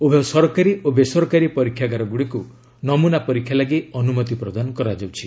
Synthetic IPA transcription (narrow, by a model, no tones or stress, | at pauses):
ubʱasɔɾɔkaɾiobesɔɾɔkaɾipɔɾikʰjaɡaɾɔɡuɽiku | nɔmunapɔɾikʰjalaɡiɔnumɔt̪ipɾɔd̪anɔkɔɾad͡ʒawt͡ʃʰi